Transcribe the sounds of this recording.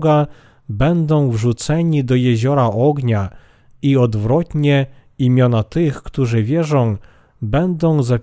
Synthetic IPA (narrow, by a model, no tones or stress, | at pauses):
ɡa | bɛnd̪ɔ̃w̃vʐut̪sɛɲid̪ɔjɛʑɔɾaʔɔɡɲa | iɔd̪vɾɔt̪ɲɛ | imʲjɔnat̪ɘxkt̪uʐɘvʲjɛʐɔ̃w̃ | bɛnd̪ɔ̃w̃za